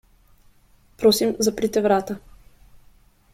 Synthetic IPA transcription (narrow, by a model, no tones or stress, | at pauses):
pɾɔsimzɐpɾit̪ɛvɾat̪ə